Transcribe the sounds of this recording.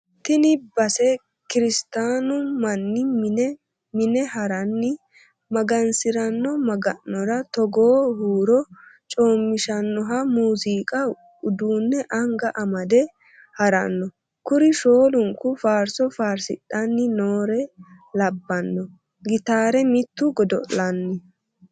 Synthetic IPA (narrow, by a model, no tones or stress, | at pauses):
t̪ɪnɪbɐsɛ | kɪɾɪst̪aːnʊmɐnːɪm | mɪnɛhɐɾɐnːɪ | mɐɡɐnsɪɾɐnːɔmɐɡɐnːɔɾɐt̪ɔɡoːhuːɾɔt͡ʃʼo̞ːmːɪʃɐnːɔɦɐmuːziːkʼɐ | ʊd̪uːnːɛʔɐŋɡɐʔɐmɐd̪ɛ | hɐɾɐ̰nːɔ | kʊɾɪʃoːlʊŋkʊfaːɾsɔfaːɾsɪ̰ɗɐnːɪnoːɾɛ | lɐbːɐnːɔ | ɡɪt̪aːɾɛmɪt̪ːʊɡɔd̪ɔ̰ʔllɐnːɪ